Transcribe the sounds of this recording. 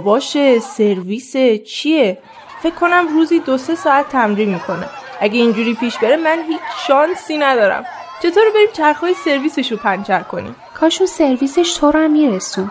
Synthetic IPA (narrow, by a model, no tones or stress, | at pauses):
bɒːʃese̞ɾviːse̞t͡ʃʰie | fe̞kʰːo̞næmruːziːd̪ose̞sɒːæt̪ʰːæmɾiːmmiːkʰo̞ne̞̰ʔæɟeind͡ʒuːɾiːpʰiːʃbe̞ɾemænɦiːt͡ʃʰʃɒːnsiːnæd̪ɒːɾæ̰m | t͡ʃʰe̞t̪ʰoːɾbe̞ɾiːmt͡ʃʰæɾxɒːjese̞ɾviːse̞ʃopʰænt͡ʃʰæɾkʰo̞nḭːm | kʰɒːʃunseɾviːseʃt̪ʰoɾæmːiːɾesu